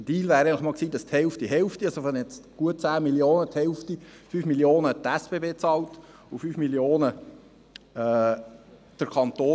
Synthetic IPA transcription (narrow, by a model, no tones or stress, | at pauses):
d̥iːlvæːɾɛɡɪŋnləχmɑːlksiːdɑsthɛlftiɦɛlftiɑlsofɛnjɛt͡sɡ̥uət̚t͡sæːmiljoːnəthɛlftifyːfmiljoːnət̪æsb̥eːbeːt͡sɑːlt | ʊfyːfmiljoːnə | d̥əɾkʰɑnt̪oː